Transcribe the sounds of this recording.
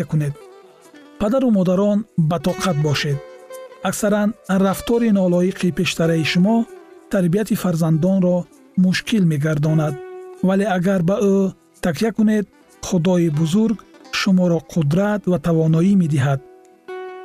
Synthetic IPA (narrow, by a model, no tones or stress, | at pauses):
kuned̪̚ | pad̪aɾumɔd̪aɾɔnbat̪ɔqʰat̪̚bɔʃed̪aksaɾanraft̪ɔɾinɔlɔiqʰipe̞ʃt̪aɾaiʃumɔt̪ʰaɾbiat̪ʰifaɾzand̪ɔnɾɔ | muʃkʰilme̞ɡaɾd̪ɔnad̪vale̞aɡaɾbao | t̪ʰːakijakune̞d̪̚ | χud̪ɔibuzuɾɡʃumɔɾɔqʰud̪ɾat̪vat̪ʰavɔnɔime̞d̪iɦad̪̚